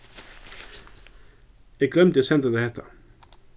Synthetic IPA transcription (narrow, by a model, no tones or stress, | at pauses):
jæɡlɛmt̪ɪsɛnd̪əd̪ehɛt̪ə